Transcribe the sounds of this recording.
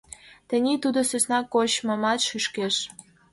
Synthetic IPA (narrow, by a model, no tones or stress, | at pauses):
t̪ə̆nʲit̪ud̪osøsnɑkoɕmə̆mɑt̪ʃyʃkeʃ